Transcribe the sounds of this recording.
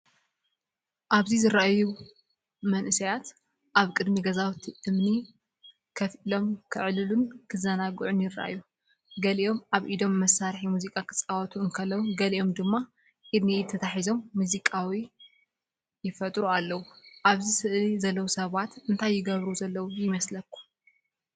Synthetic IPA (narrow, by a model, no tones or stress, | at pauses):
ʔaβzizɨɾaʔaju | mɐnʔɨsɐjat̪ | ʔaβkʼɨd̪miɡɐzawt̪ʰiʔɨmni | kʰɐfilo̞mkʰɨʕlɨlunkʰɨzɐnaɡɨʕunjɪra̰ʔaju | ɡɐliʔo̞maβʔid̪o̞mːɐsaɾħimuzikʼakʰɨ̥t͡sʼawɐt̪ʰuɨŋkʰɐlːɐwuɡɐliʔo̞md̪ɨmːa | ʔid̪nijt̪ʰːɐt̪ʰaħizo̞mːuzikʼawi | jɪfɐt̪ʼɾualːɐwuʔaβzisɨʔlizɐlːɐwusɐβat̪ɨnt̪ʰajːɪɡɐβɾuzɐlːɐwujɪmɐslɐkʰːu̥